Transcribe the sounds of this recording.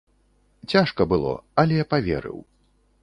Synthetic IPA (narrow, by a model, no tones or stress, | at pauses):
t͡sʲaʂkɐbɨlˠɔ̰ɐlʲɛjapavʲɛ̰ɾɨ̰w